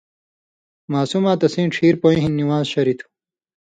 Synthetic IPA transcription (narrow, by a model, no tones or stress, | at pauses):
maːsumaːt̪ɐsĩːʈ͡ʂʰiːɾpoĩɦinːiwaːzɕɐɾit̪ʰu̥